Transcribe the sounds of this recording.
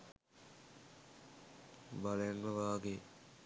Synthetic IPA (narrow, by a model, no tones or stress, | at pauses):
baljaŋːəʋaːɡe